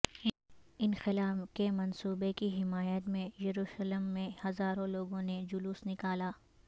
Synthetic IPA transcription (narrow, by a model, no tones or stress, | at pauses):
ɪnxɪlaːfkemɐnsuːbekiɦɪmaːjət̪mẽjɐɾuːʃələmːẽhɐzaːɾõloːɡõned͡ʒʊluːsnɪkaːlaː